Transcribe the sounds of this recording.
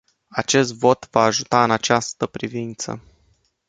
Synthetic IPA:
at͡ʃe̞st̪vo̞t̪vaːʒut̪aɨnat͡ʃast̪əpɾivint̪sə̰

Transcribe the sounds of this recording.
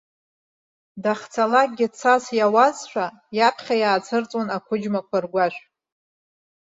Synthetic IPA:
daχt͡sʰalak̚ɡʲɪt͡sʰasjawazʃʷᶣa | japʰχʲajaːt͡sʰɨrt͡sʼonakʷʰʊd͡ʒmakʷʰarɡʷaʃʷᶣ

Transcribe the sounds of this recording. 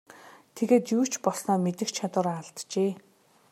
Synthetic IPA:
t̪ʰeɣeːt̪juːt͡ɕʰpɔsnɔːmet̪ɘ̆xt͡ɕʰat̪wə̆ɾːɮt̪t͡ɕeː

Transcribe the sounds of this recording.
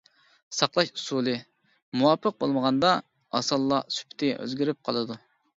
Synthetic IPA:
sɑqlˠɑʃusulˠɨ | muwɑpʰːəq̚bolˠməʁɑnd̪ɑ | ɑ̰sɑlˠːɑsy̥pʰt̪ʰɪʔø̰zɡʲiɾyp̚qʰɑ̰lˠɨd̪u

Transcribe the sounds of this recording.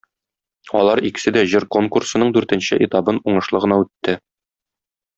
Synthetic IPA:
ɒ̰lˠɑɾikɘ̥̆sɘd̪æʑɘɾko̞ŋkursɤ̆nɤɴd̪ʉɾt̪ɘ̆nɕɘʔit̪ɑbɤnuɴɤ̆ʃlˠɤʁɤ̆nɑʉt̪ːɘ

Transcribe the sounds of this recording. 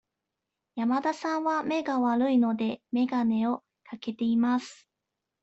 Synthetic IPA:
jamad̪asãɰ̃βame̞ɡaβaɾɯ̟ino̞d̪e̞me̞ɡane̞o̞ | kake̞t̪e̞imasɨ̥

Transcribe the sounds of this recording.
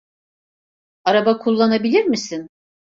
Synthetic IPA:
aɾabakʰulˠːanabilʲiɾmisin

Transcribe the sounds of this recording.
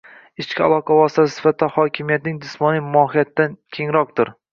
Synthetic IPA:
ɪt͡ʃkʲɪalˠɒqʰavɒst̪ʰasɪ̥sɪ̥fat̪̚d̪ahɒkʲʰɪmijat̪nɪŋd̪ɪsmɒnɪmɒhijat̪ːankʲʰe̞ŋɾɒq̚t̪ʊɾ

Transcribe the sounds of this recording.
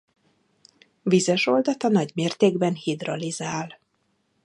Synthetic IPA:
vizɛʃo̞ld̪ɒt̪ɒnɒɟmeːrt̪eːɡbɛnhid̪rɒlizaːl

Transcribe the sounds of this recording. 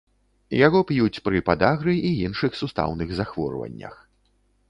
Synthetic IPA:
jaɣɔpjut͡sʲpɾɨpad̪aɣɾɨʔiinʂɨxsust̪a̰wnɨɣzaxvɔ̰rvɐ̰nʲːɐ̰x

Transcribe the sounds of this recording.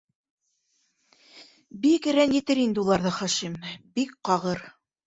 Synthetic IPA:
bikɘ̆ɾænjɘ̆t̪ɘɾind̪ɘulˠɑɾðɤχɑʃimbik̚qɑʁɤɾ

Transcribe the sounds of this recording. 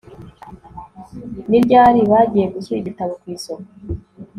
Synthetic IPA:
niɾɟaːɾiβaːɟije̞ɡusuiβitaβokwiːsoka

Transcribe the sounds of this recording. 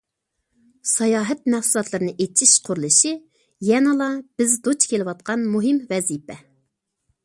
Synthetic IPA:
sɑjɑːɦɛt̪̚mæχsulˠɑt̪lˠɨɾɨnɨʔet͡ʃʰiʃqʰʊɾlˠɨʃi | jɛnɨlˠɑb̥ɪzd̪ot͡ʃkʲʰelɪwɑt̪̚qʰɑnmuɦɪmvɛzipɛ

